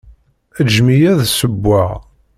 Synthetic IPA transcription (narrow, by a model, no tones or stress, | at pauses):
əd͡ʒmijæðsəbːaʁ